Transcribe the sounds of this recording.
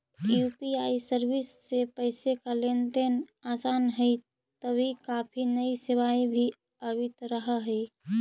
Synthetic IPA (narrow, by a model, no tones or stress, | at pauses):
jupiaisəɾbisːepəɪsekalent̪enasanɦəj | t̪əbʱikapʰinəisiʋaibʱi | əbit̪ɾəɦəɦəj